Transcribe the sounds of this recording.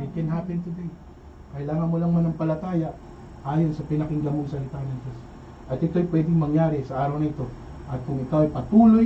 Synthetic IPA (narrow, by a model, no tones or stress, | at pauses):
ɪkɪnɦaːpɪnt̪ʊd̪ɛj | kɐlaːŋɐnmolɐŋmanɐŋpɐlɐt̪aːjɐʔ | ʔaːjonsɐpɪnɐkɪŋɡɐmʊŋsɐlɪt̪aːnɐnd͡ʒos | ʔɐt̪ɪt̪o̞jpwɛd̪ɪŋmɐŋjaːɾɪsɐʔaːɾɐwnɐɪt̪o̞ | ʔɐt̪̚kʊŋɪkawɐjpɐt̪uːlo